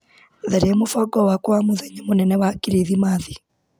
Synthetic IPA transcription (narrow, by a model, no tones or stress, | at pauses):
ðɛɾemofaɡɔwakwamoðɛɲemonɛnɛwakiɾiðimaði